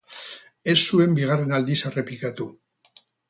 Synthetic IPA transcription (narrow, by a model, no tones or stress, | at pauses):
e̞sːue̞mbiɣ̞are̞nald̪isere̞pikat̪u